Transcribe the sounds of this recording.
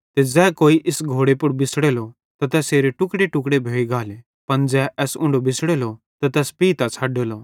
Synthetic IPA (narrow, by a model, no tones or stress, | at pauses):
t̪ed͡zɛːkoːiʔɪsɡʱoːɽepʊɾbɪsɽeːlɔ | t̪ɐt̪ɛːseːɾeʈʊkɽeʈʊkɽebʱoːiɡʱaːle | pɐnd͡zɛʔɛːsʊ̃ɳɖobɪsɽeːlɔ | t̪at̪ɛːspiːt̪at͡ʃʰaːɖeːlɔ